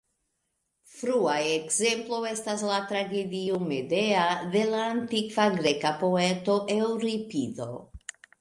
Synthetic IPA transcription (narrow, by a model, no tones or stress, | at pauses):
fɾuajekzemploestaslat̪ɾaɡed̪iomed̪eaðelaːnt̪ikvaɡɾekapoet̪o̞ʔewɾipiðo̰